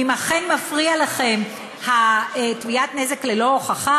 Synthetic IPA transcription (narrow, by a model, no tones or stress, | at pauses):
imaχe̞nmafʁialaχe̞m | hatviatneze̞klelo̞oχaχa